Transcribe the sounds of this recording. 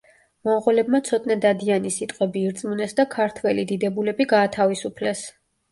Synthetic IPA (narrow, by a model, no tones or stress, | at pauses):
mɔʁɔlɛbmat̪sʰɔt̪ʼnad̪ad̪ianisit̪ʼqʼwɛbiːɾt̪sʼmunɛsd̪akʰaɾt̪ʰwɛlid̪id̪ɛbulɛbiɡaːt̪ʰavisupʰlɛs